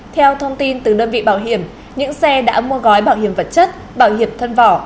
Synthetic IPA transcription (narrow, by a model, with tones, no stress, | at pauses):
t̪ʰɛ˧wt̪ʰə˧wŋ͡mt̪i˧nt̪ɨ˨˩ɗəː˧nvḭ˧˨ɓaː˧˩wɦi˧˩əm | ɲɨ̰˧˥ŋsɛ˧ɗa̰ː˧˥mu˧əɣɔ˨˦jɓaː˧˩whi˧˩əmvə˨˩t̚t͡ɕə˦˥t̚ | ɓaː˧˩whi˧˩əmt̪ʰə˧nvɔ˧˩